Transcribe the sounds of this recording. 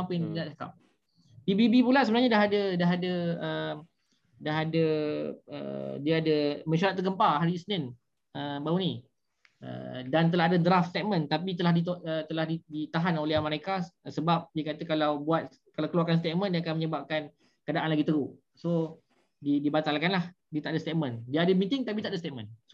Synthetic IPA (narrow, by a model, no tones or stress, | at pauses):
apənɡaʔsaka̰p̚ | pibibipulasəbənaɲadaɦadədaɦadəəm | daɦadə | ə̰diaadəmə̃ʃaɾat̪̚ːərɡəmpaɦaɾisənɪn | əbauni | ə̰dant̪̬əlaɦadədɾaft̪st̪ɛʔ̪̚mə̃nt̪apit̪əlahdit̪oət̪əlahdidit̪aɦanolɛɦamə̃ɾekasəbap̚diəkat̪əkalawbuat̪̚ | kalawkəluarkans̬t̪et̪̚mə̃ndiakanməɲəbap̚kan | kəadaʔanlaɡit̪əɾu | so | didibat̪alkanlah | diət̪aʔadast̪et̪̚mə̃ndiaːdəmit̪ɪŋt̪apit̪aʔdəs̬t̪eʔ̪̚mə̃ns